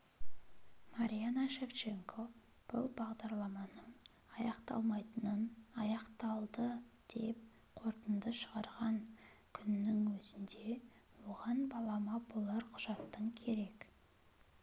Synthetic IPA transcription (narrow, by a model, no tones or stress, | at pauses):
maɾʲijanaʃe̞ft͡ʃe̞ŋkʰo̞ | b̥ʊ̰lˠbɑʁd̪ɑɾlˠɑmɑnəɴ | ɑjɑqt̪ɑ̰lˠmɑjt̪ənənɑjɑqt̪ɑlˠd̪əd̪̥e̞p̚ | qʰo̞ɾt̪ənd̪əʃəʁɑɾʁɑŋ | kʲʰʏnːɪŋwɵzɪnd̪e̞ | woʁɑnbɑlˠɑmɑbolˠɑɾqʰʊʒ̥ɑt̪ːəɴkʲʰe̞ɾe̞k